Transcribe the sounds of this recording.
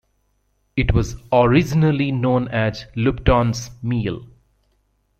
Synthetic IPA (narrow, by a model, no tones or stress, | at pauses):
ɪʈʋɔzɔɾɪd͡ʒɪnəlinõːnæzlʊp̚ʈɔ̃ːnsmiːl